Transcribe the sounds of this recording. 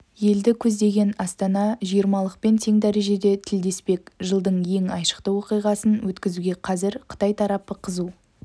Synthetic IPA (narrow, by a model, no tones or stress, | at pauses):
je̞ld̪ɪkʲʰɵzd̪e̞ɡʲe̞nɑst̪ɑnɑʒijəɾmɑlˠəq̚pe̞nt̪ʰe̞ŋd̪æɾe̞ʒe̞d̪e̞t̪ʰɪld̪e̞spe̞kʒəlˠd̪əɴje̞ŋɑjʃə̥qt̪əwoqijʁɑsənwɵt̪kʲɪzuɡʲe̞qʰɑzɪɾqʰə̥t̪ɑjt̪ʰɑɾɑpəqʰəzu